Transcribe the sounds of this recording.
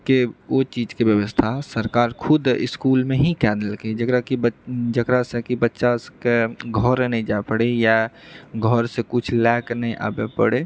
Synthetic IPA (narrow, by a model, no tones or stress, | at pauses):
keot͡ʃiːd͡ʒkebjəʋəst̪ʰasəɾkaːɾkʰʊd̪ɪ̰skuːlmẽɦĩkɛːd̪əlked͡ʒəkɾakibd͡ʒəkɾasekibətːʃaskeɡʱɔɾnəĩd͡ʒapəɽejaɡʱɔɾsekut͡ʃʰlɛːknəĩʔa̰ːbepə̰ɽe